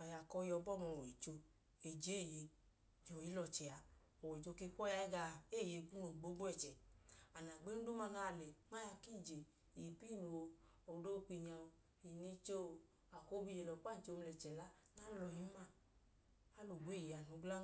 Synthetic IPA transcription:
a˨ja˨kɔ˧jɔ˧bɔ˦˨mɔ˧˨wɔ˨i˨t͡ʃo˧ | e˨d͡ʒe˨˦˨je˧ | d͡ʒɔ˨ji˦lɔ˧t͡ʃɛ˨a˨ | ɔ˨wɔ˨i˨t͡ʃo˧ke˧˦kʷɔ˦ja˧˦ɛ˦ɡa˧˨e˦˨je˧ku˦no˨ɡ͡bo˨˦ɡ͡bɛ˦˨t͡ʃɛ˨a˨na˨ɡ͡be˦nu˦o˦ma˧˨na˧˨lɛ˨ma˦ja˧ki˦˨d͡ʒe˨ | i˨pi˦˨no˨˧o˨do˦˧k͡pi˧ɲa˧ | i˨ni˧t͡ʃo˦˨ | a˨ko˦bi˧je˧˨lɔ˨˦k͡pa˦˨n˨˦t͡ʃe˧m˧lɛ˨t͡ʃɛ˨la˦ | na˦lɔ˧˨ji˦ma˦˨ | a˦lo˨ɡe˦˨je˨a˨no˨˧˦ɡ͡bla˦

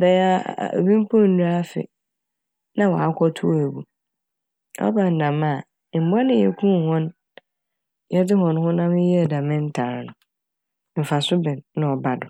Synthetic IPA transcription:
bɛ˦a˦˨o̰˨bĩ˦m˦pʰɔ˦n̩˨du˦a˦fɪ̰˨ | nã˦wɔ˨a˦kʷʰɔ˦tʰu˦æ˨bu˨ | ɔ̰˦bã˨n̩˨dã˨ma˦˨ | m̩˨ba˦nɪ̃˦jɛ̰˨kʰũ˦˨hɔ̃˦n | jɛ˦dɪ˦ɦɔ̃˨n˦hʊ̃˦nã˦mɪ̃˦jɛ˦˨dã˨mɪ̃˦n̩˦tʰa˨ɾnʊ̃˨ | m̩˨fa˨sʊ˦bɪ̃˨nːã˦ɔ˨ba˨dʊ˨

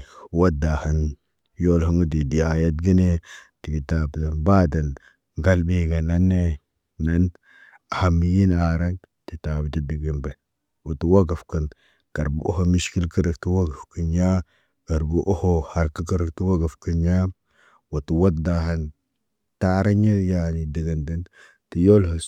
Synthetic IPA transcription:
wo˦da˨ha˨n | jo˦lɦə˦ŋɡu˦di˨di˨ja˨ja˦t̚ɡi˦ne˦ | ti˨ɡi˨ta˨bda˨nba˦da˨n | ɡa˦lbi˦ɡa˨na˦nːe˦ | na˦n˨ | ha˨mːi˨˦ji˦na˨ɾa˦n | ti˨ta˨bi˨ti˦di˨ɡi˨mbe˨ | wo˨tu˨wa˦ɡa˨fkə˨n | ɡ̥a˨ɾbṵ˨ʔo̰˦ho˨mi˦ʃki˦lkə˦ɾə˨kti˦wa˦ɡa˨fkə˨nja˦ | ka˨ɾbu˨ʔo˦ho˦ha˨ɾkə˦kə˦ɾə˨kti˦wa˦ɡa˨fkə˦nja˦m | wo˨tu˨wo˦tda˨ɦa˨n | ta˦ɾa˦ɲe˦ja˨ni˨də˨ɡə˨ndə˨n | ti˨jo˦lho˨s

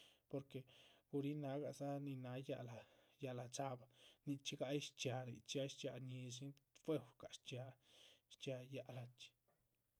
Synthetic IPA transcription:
po˧ɾke˨ɡ̥u˧ɾi˦na˧ɡa˧˨za˦ni˧na˧ja˧la˨ | ja˧la˨t͡sa˧ba˧ni˧t͡ʃi˦ɡa˧jʃt͡ʃja˧ni˧˨t͡ʃi˦a˧˦jʃt͡ʃa˧ɲi˧ʃ̬i˦nfe˦˧wka˨ʃt͡ʃja˧ʃt͡ʃja˧ja˧ʔla˧t͡ʃi̥˧

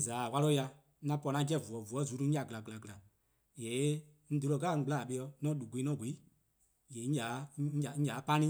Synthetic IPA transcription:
zaː˨˦˨wa˦lo˦ja˧˦ | nã˧˦pɔ˧˨nã˨˦ɡɛ˦˨vu˨ɔ˨vu˨ɔ˨˦zu˨˦tu˧ŋ̩˦a˨ɡɨ˨la˨ɡɨ˨la˨ɡɨ˨la˨ | jɛ˨˦ | ŋ̩̃˦do˨˧lo˧ɡaː˦˨ŋ̩˦ɡ͡ba˨ɓe˧jɔ˧nɔ̃ː˦ɗu˨ɡe˨˦ɔ̃ː˦˨ɡʷe˨˦i˦ | jɛ˨˦ŋ̩˦d͡ʒaː˨˦˨ŋ̩̃˦d͡ʒaː˨˦pã˦nĩ˦

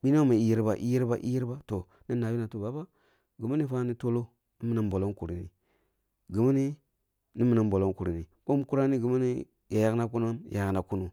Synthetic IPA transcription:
bi˦no˦ma˨i˦ji˦ɾba˨ʔḭ˦ji˦ɾba̰˦ʔḭ˦ji˦ɾba˦to˨ | na˦nːa˨bi˦na˨tu˦ba˨˦ba˦ | ɡi˨ma˦ni˦fa˦ni˦to˦lo˦ | ni˦mi˨na˨mbo˨lo˦nku˨ɾḭ˨nḭ˨ | ɡi˨ma˦ni˦ | ni˦mi˨na˨mbo˨lo˦nku˨ɾi˨ni˨ɓo˦mku˦ɾa˦ni˦ɡi˨ma˦ni˦ | ja˨ja˦kna˦ku˦na˦m˨ja˨kna˨ku˦nu˨

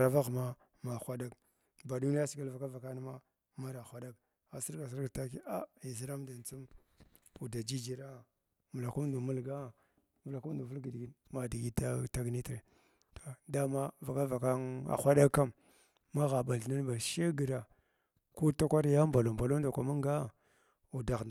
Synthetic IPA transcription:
ɾa˨va˦ɣma˦ | ma˨xʷa˦ɗa˦k | ba˨du˦ni˦a˦si˨ɡa˦lva˨ka˦va˨ka˦n˦ma˦ | ma˦ɾa˨xʷa˦ɗa˦k̚ | a˨si˦ɾɡa˨s̬i˦ɾɡa˨ta˦ki˦a˦i˨zi˦ɾa˦mda˨n˨t͡su˦m | u˨da˨d͡ʒi˦d͡ʒi˦ɾa˦˨ | mu˨la˨ku˦mdu˨mu˦lɡa˦˨ | vu˨la˨ku˦du˨vu˦lɡi˨dɡi˨˦ma˨di˨ɡi˦ta˦ta˦ɡni˦tɾe˨ | to̥˨da˦ma˦va˨ka˦va˨ka˦na̰˨xʷa˦ɗa˦ka˦mː | a˦ɣa˨ba˨ɮna˦n˦ba˨ʃe˦ɡə˨ɾa˨ | ku˦ta˦kʷa˦ɾja˦mba˨lo˨mba˨lo˦m˦da˨kʷa˨ma˦ŋ˦ɡa˦ | u˨da˨ɣ

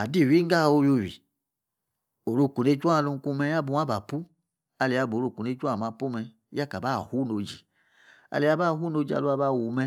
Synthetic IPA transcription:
a˨di˦˨wi˦ŋ˦ɡa˦˨o˧jo˧˨wḭ˨ | o˨ɾo˦˧˨ku˨ne˦t͡ʃʷa˦˨lu˧ŋ˦ku˧mɛ˧˦a˦bu˧˦a˦ba˨pu˦ | a˧li˨a˧˨bo˨ɾo˧˨ku˨ne˦t͡ʃʷa˦˨ma˧˨pu˦mɛ˧˦ | ja˦ka˨ba˦˨hu˦no˧d͡ʒi˨ | a̰˨li˨˦a˦ba˦˨ɦu˦no˧˦d͡ʒi˨a̰˨lu˦a˧˦ba˦˨wu˨mɛ˧

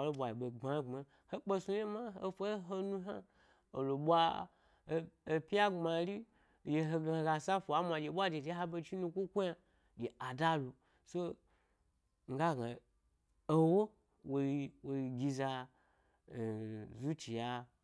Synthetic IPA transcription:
lo˦ɓʷa˨ji˨ɓe˨ɡ͡ba˨˦ŋ͡ma˨˦ | ho˦k͡pe˦su˧je˦ma˦e˦fʷo˦ɦo˦nũ˧ɦa˦ | o˨lo˨ɓʷa˦˨ | pi˦a˦ɡ͡bma˧ɾi˦˨ | je˨ɦo˧ɡɡa˧sa˦fo˨a˦mʷa˨d͡ʒe˨ɓʷa˦d͡ʒe˨d͡ʒe˦ɦa˦be˧t͡ʃi˦nu˧ku˦kʷu˦ja˧ | d͡ʒe˨a˨da˦lu˨ | so˦ | ŋ̩˨˦ɡa˦˨ɡa˨ | o˦wo˦ | wo˧˦wo˨˧˨ɡʲi˧za˧˨ | zu˦t͡ʃi˨ja˨

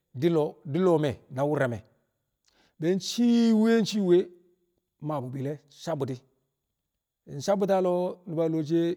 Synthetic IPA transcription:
di˦lo˨di˦lo˨me˨na˨wu˦ɾa˨me˨ | be˨˦nt͡ʃi˦we˦n˦t͡ʃi˦we˦ | ma˨bu˨bi˨le˦ | sa˦bu˨ti˦ | i˨n˨sa˦bu˦ta˦lo˦ni˨ba˨lo˨t͡ʃe˦

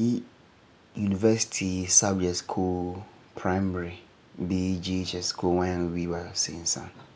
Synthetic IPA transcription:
i˦ | ju˨ni˨vɛ˦si̥˦tʰi˨sa˦bd͡ʒɛ˨tskʰu˦l | pʰɹa˦ɪmɛ˨ɹi˨ | bi˦d͡ʒi˦e˦t͡ʃɛ˦skʰu˦lwã˦jã˨ŋ˨wi˦ba˨sḛ̃˨n̩˨sã̰˦n

